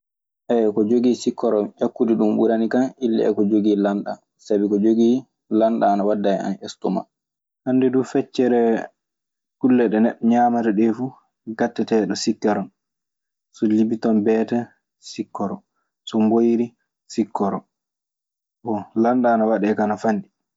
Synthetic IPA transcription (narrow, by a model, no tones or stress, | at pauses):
ʔɛkɔd͡ʒoɡisikːɔɾɔjakːudiɗumbuɾanikanʔilːɛ̰ɛ̰kɔd͡ʒoɡilanɗa̰ | sabikɔd͡ʒoɡi | lanɗaːnawadːaja̰nʔɛstɔma̰ | handɛdufɛt͡ʃːɛɾɛ | kulːɛɗɛnɛɗːɔɲamatɛɗɛfu | ɡatːɛtɛɗɔsikːɛɾɔn | sɔlibitɔnbɛtɛ | sikːɔɾɔ | sɔmbojiɾi | sikːɔɾɔ̰ | wɔlanɗaːnawaɗɛkanafanɗi